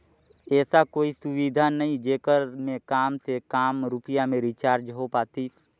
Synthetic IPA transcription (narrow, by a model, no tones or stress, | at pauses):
ɛːsakoːisʊʋid̪ʱanəɦĩd͡ʒeːkəɾmẽkaːmsekaːmɾʊpɪjamẽɾit͡ʃaːɾd͡ʒɦopaːt̪i